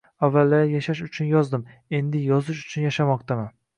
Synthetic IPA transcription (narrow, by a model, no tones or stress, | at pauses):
avːalːaɾjaʃaʃ̬ʊt͡ʃʰʊnjɒzd̪ɪm | e̞nd̪ɪjɒzɪʃʊ̥t͡ʃʰʊnjaʃamɒq̚t̪ʰamɪ